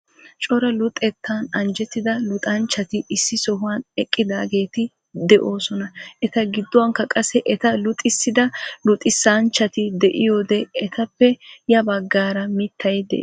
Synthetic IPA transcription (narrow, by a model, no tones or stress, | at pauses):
t͡ʃʼɔɾɐlʊt̪ʼːɛt̪ʰːaːnɐnd͡ʒɛt̪ːɪd̪ɐlʊt̪ʼɐnt͡ʃːɐt̪ɪʔɪsːɪsɔhʊwɐnɛkʼːɪd̪aːɡe̞ːt̪ɪ | d̪ɛʔo̞ːsɔnɐʔɛt̪ɐɡɪd̪ːɔwɐŋkːɐkʼɐsɛʔɛt̪ɐlʊt̪ʼːɪsːɪd̪ɐlʊt̪ʼːɪsːaːnt͡ʃːɐt̪ɪd̪ɛʔɪjo̞ːd̪ɛɛt̪ɐpːɛjɐbɐɡːaːɾɐmɪt̪ːɐjd̪ɛ̰ʔ